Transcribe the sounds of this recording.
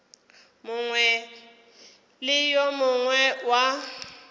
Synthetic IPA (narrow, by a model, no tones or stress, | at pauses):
mʊŋwɛ | lɪjɔmʊŋwɛwa